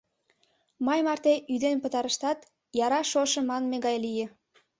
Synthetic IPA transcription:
mɑjmɑrt̪eʔyd̪enpət̪ɑɾəʃt̪ɑt̪ | jɑɾɑʃoʃə̆mɑnmeɣɑjlije

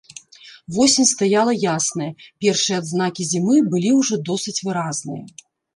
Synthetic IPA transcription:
vɔsʲimʲst̪ajalˠɐjasnɐjɐpʲɛrʂɨjɛd̪znakʲizʲimɨbɨlʲiwʐɔd̪ɔsɨt͡sʲvɨɾaznɨ̰jɐ̰

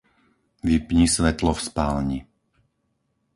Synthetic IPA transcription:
ʋipɲisʋɛt̪lɔfspaːlɲi

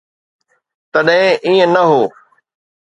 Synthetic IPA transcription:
t̪ɐɗɦɪ̃ʔiːə̃nɐɦoː

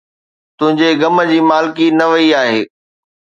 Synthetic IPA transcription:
t̪ʊ̃ɦɪ̃ɲd͡ʑeɡɐmə̆d͡ʑiːmaːlɪkinɐʋɐiaːɦḛː

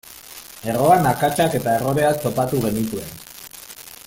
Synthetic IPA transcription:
e̞ro̞anakat͡ʃake̞t̪ae̞ro̞ɾe̞at̪o̞pat̪uɣe̞nit̪ue̞n

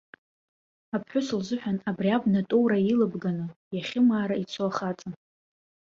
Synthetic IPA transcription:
apʰħʷᶣʊsɨlzɨħᶣanabriabnatʼowɾajilɨbɡanɨjaχʲɪmaːɾait͡sʷʰoaχat͡sʼa

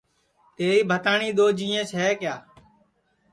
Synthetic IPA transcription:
t̪eːiːbʱət̪aːɳiːɗ̪oːd͡ʒĩːẽːsɦɛːkɪjaː

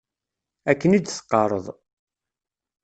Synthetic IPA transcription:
ækːənid̪sqːɑɾˤə̰ðˤ

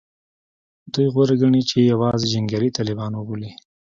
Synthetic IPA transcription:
d̪ujɣwoɾaɡaɳit͡ʃejawɑzed͡ʒaŋɡaɾit̪ɑlɪbɑnwʊbuli

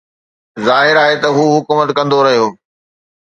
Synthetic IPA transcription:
zaːɦɪɾaːɦet̪ɐɦuːɦʊkuːmət̪kɐ̃nd̪oɾɐɦijoː

